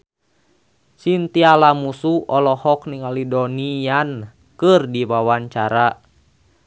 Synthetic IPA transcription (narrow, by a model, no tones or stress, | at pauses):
sint̪ialamusuɔlɔhɔkniŋalidɔnijan | kɨrdiwawaɲt͡ʃaɾa